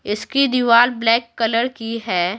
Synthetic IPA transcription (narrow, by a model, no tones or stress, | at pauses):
ɪskid̪iʋaːlblɛːkːɐləɾkiɦɛː